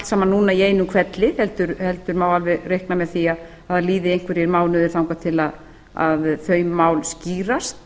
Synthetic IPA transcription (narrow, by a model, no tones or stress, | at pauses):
lt̪saːmanuːnaiejnʏkʰvɛt̪lɪhɛlt̪ʏɾhɛlt̪ʏɾmaːwalvɪrejhknamɛðθiað | aðaliːðɪejŋ̥kvɛɾɛɾmaːwlnʏðɪɾθawŋkat̪ʰɪlað | a̰ðθœːɥmaːwlsciːɾast̪̚